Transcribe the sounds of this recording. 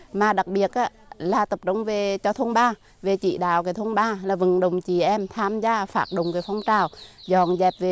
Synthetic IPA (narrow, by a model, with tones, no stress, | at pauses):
maː˨˩ɗa˨˩k̚ɓi˨˩ət̚ʔaː˨˧˦ | laː˨˩t̪ə˨˩p̚ɗə˧˨˦wŋ͡mve˨˩t͡ɕɔ˧t̪ʰwnɓaː˧ | ve˨˩t͡ɕḭ˧˨ɗa̰ː˧˨wkaː˨˦t̪ʰə˧nɓaː˧laː˨˩vɨ˨˩ŋɗə˨˩wŋ͡mt͡ɕi˨˩ʔɛ˧mt̪ʰaː˧mzaː˧faː˧˩k̚ɗə̰˨wŋ͡mkaː˨˦fa˧wŋ͡mt͡ɕaː˨˩wzɔ˨˩nzɛ˨˩p̚ve˨˩